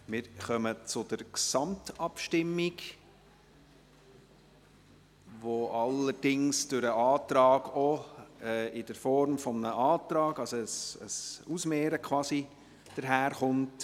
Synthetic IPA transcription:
mɪːɾχœmət͡sʊd̥əɾksɑmtɑpʃtɪmːiɡ | ʋoʔɑləɾd̥ɪŋsd̥ʊɾəɑːtɾɑːɡ̥ɔɛːɪd̥əɾfɔɾmfɔmnəʔɑːtɾɑːɡɑlsɔəsəsusmeːɾəkʰwɑːsi | d̥əɾɦæːɾχʊnt

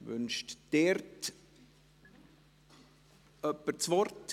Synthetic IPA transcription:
vʏ̰nʃtd̥ɛɾt | œpːət͡svɔrt

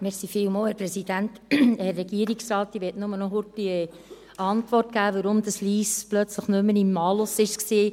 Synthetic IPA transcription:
mɪɾsifɪːwmoːlhɛɾpɾɛsid̥ænthɛɾːɛɡ̥iəɾiksɾɑːtːiʋɛtnʊmənɔɦʊɾtːiə | ɑntʋɔrtkæːʋəɾʊmd̥̪əsliːsplœt͡sləχnʉmːənimːɑːlosɪʃksiː

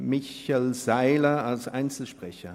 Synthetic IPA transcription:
mɪçɛlz̥aɪlɐalsʔaɪnt͡sl̩ʃpʁ̥ɛçɐ

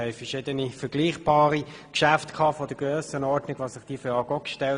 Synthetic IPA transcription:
ɛɪfəʃɪːdənifəɾɡ̥liːχb̥ɑːʁikʃæftkʰɑːfɔd̥əɡrøːsənɔɾdnɪɡ̥ʋɑːsɪχd̥iːføɑːɡɔkʃtɛ

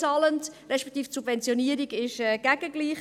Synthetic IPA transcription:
ɑːləntrɛʃpɛk̚tiːftsubvɛnt͡sjoniəɾiɡɪʃɛːɡ̥æɡəɡliːχ

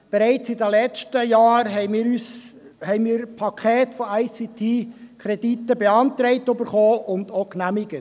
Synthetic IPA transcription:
b̥ɛɾæɪt͡sɪdəlɛt͡ʃtəjɑːɾɦɛɪmiːɾyːshɛɪnmiːɾpʰɑkʰχɛːtfɔaɪsit̪ʰiːkʰɾɛd̥it̪ːəbeɑnt̪ɾɛɪtøbəɾχoːʊnd̪oknæmɪɡ̥ə

